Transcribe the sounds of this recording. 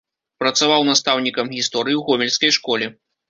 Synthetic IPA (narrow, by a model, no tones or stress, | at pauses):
pɾɐt̪savawnast̪awnʲikɐmɣʲist̪ɔɾɨjiwɣɔmʲɛlʲskɐjʂkɔlʲɛ